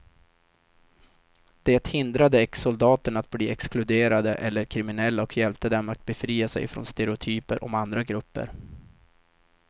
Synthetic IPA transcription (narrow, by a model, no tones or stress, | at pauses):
d̪̥ɛːt̪hɪnd̪ɾad̪əɛksʊld̪ɑːt̪əɳat̪̚bliːɛksklɵd̪eːɾad̪əʔɛlːəɾkʰɾɪmɪnɛlːaɔkʰjɛlp̚t̪əd̪ɛmːat̪̚bɛfɾiːasɛ̰jfɾo̰ːnst̪ɛɾɛʊt̪ʰyːpəɾʔɔ̰mand̪ɾaɡɾɵpːə̰ɾ